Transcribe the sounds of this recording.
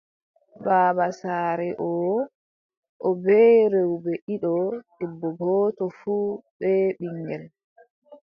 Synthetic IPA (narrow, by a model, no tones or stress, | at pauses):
baːɓasaːɾɛʔɔː | ʔɔbɛɾewbɛʔiɗɔɗubːɔɡɔːtɔfuːɓɛɓiŋɡɛl